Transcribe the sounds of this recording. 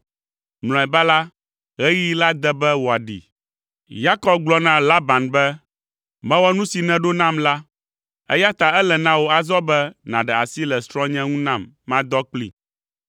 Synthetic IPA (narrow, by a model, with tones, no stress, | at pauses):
nl̃ɔ̃˨ɛ˨ba˦la˦ | ɣɛ˦ji˦la˦d̪ɛ˦bɛ˦wo˨a˨ɖḭ˨ | ja˦kɔ˦b̚ɡ͡blɔ˦nã˦la˦ba˨nbɛ˦ | mɛ̃˦wɔ˦nũ˦si˨nɛ̃˦ɖo˦nã˦mla˦ | ɛ̰˦ja˦t̪a˨ɛ˦lɛ˨nã˦wo˨a˨zɔ˦bɛ˦nã˨ɖɛ˨a˨si˦lɛ˨st̪ɾɔ̃˦ɲɛ̃˦ŋũ˦nã˦mːã˦d̪ɔ˦k͡plḭ˨